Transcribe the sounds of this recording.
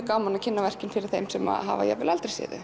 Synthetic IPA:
kawmanacʰɪnːavɛr̥cɪnfɪɾɪɾ̥θejmsɛma̰ɦa̰vaja̰vɪlalt̪ɾesjɛ̰ːðʏ̰

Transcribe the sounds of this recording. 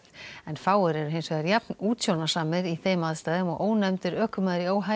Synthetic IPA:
ɛnfaːwʏɾɛɾʏɦensvɛðaɾjapnuːt̪sownḁsaːmɪɾiθeːjmaːðst̪aːðɪmɔɣʔoːwnɛmt̪ʏɾœːhkʏmaːðɾioːwɦa

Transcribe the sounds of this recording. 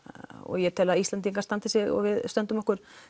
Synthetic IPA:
ɔ̰ɣjɛt̪ʰɪlaðist̪ant̪iŋkaɾst̪ant̪ɪsjɛɣɔ̰ɣvɪðst̪œnt̪ʏmɔhkʏɾ̥

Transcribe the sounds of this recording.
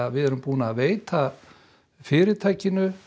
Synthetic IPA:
aðvɪðɛɾʏmpuːnaːveːjt̪ʰa | fɪːɾɪt̪ʰaːjcɪnʏ

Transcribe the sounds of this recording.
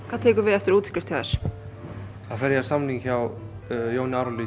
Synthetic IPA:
kʰvaːðt̪ʰeːkʏɾvɪðɛft̪ʏɾuːt̪ʰi̥kʏɾ̥t̪ʰiaða̰ɾ̥ | θaðfɛɾjasamniŋçaw | jownɪaɾɔli

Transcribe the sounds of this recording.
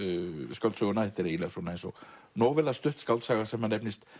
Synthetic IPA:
skalt̪sœɣʏnaðɛht̪ɪɾɛilɛsɔnaejnsɔ | nɔːvɛlast̪ʏht̪skalt̪saːɣasɛmhanejpnɪst̪

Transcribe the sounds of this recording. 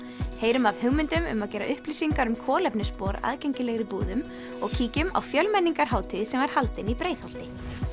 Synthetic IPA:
heːjɾʏmavhʏɣmʏnt̪ʏmʏ̰maðcɛːɾa̰ʔʏhplisiŋkaɾʏmkʰɔːlɛpnɪspɔːɾa̰ːðcɛjɲcɪlɛɣɾɪpuːðʏm | ɔɣcʰiːcʏma̰wfjœlmɛnːiŋkaɾ̥ɦaːwt̪ʰɪðsɛmvaɾ̥halt̪ɪnipɾeːjθhalt̪ɪ

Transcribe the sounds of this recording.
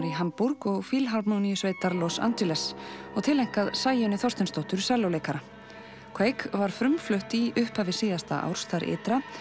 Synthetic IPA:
ɾiɦampuɾkɔɣfilɦalpnownijʏsveːjt̪aɾlɔsa̰nt̪ʏlɛsɔɣt̪ʰɪlejŋ̥kaðsaːjɪnɪθɔwst̪ɪnst̪ɔwht̪ʏɾ̥sɛlowleːjkaɾa | kʰveːjkvaɾ̥fɾʏmflœht̪iʏhpavɪ̥siːðast̪aʔa̰wɾ̥sθaɾʔɪ̰ːt̪ɾa

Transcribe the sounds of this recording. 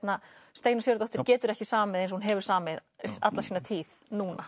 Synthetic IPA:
t̪nast̪eːjnʏsjœːɾt̪ɔht̪ɪɾcɛːt̪ʏɾɛhcɪsaːmamɛðejns̬hunɦɛvʏɾ̥saːamɛða̰t̪lasiːnat̪ʰiːðnuːna

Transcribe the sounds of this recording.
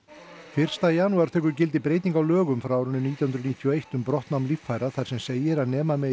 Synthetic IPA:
fɪr̥st̪ajaːnuaɾ̥t̪ʰœːk̬ʏɾcɪlt̪̬ɪpɾeːjt̪iŋkawlœːɣʏmfɾawaːɾʏnʏniːt̪jawhʏnɾʏniːt̪ʰjɔejht̪ʏmpɾɔht̪nawmliffajɾaθaɾ̥sɛmseːjɪɾaðnɛːmamɛ

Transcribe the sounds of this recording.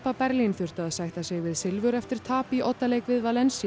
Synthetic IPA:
papɛɾlinθʏr̥t̪aːðsajht̪asɛɣvɪðsɪlvʏɾɛft̪ɪɾ̥t̪ʰaːpiʔot̪ːaleːjkvɪðvalɛnsi

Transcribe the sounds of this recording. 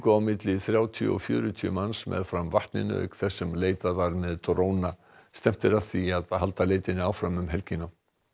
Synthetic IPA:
kawmɪt̪lɪθɾjaːwt̪ʰiɔ̰fjʏ̰ːɾʏt̪ʰiʏ̰mansmɛ̰ðfɾamvaht̪nɪ̰nʏ̰œ̰kθɛsːʏmleːjt̪avaɾmɛðt̪ɾoːwna | st̪ɛm̥t̪ɪɾaθiaðɦalt̪aleːjt̪ɪnɪawfɾamːʏmɦɛlcɪnːa

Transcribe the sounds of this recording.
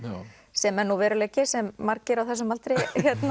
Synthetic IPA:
sɛmɛnuvɛːɾʏlɛːcɪsɛmːaɾcɪɾawθɛsʏmalt̪ɾejçjɛt̪na

